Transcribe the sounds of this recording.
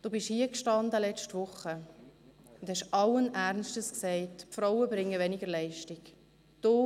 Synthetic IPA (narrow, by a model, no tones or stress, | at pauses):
d̥oːbɪʃhiːəkʃtɑndəlɛt͡ʃtʋʊχːə | ʊnd̪hɛʃʔɑlːənʔæɾnsʃtəsksɛɪtpfɾɔwəbɾɪŋːəvɛnɪɡəɾlɛɪʃtɪk | d̥oː